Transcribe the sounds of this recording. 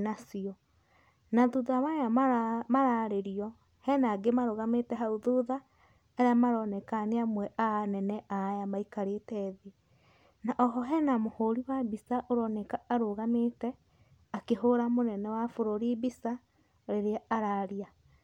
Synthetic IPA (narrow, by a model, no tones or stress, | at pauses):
nasiɔ | naðuðaβajamaɾaɾeɾiɔ | hɛnaɡemaɾoɣametɛɦauðuða | eɾeamaɾɔnɛkaneamwɛʔanɛnɛʔajamaikaɾetɛðe | naʔɔɦɔɦɛnamohoɾiwabisaʔoɾɔnɛkaːɾoɣametɛ | akeɦoɾamonɛnɛwafoɾoɾibisa | ɾeɾeaaɾaɾia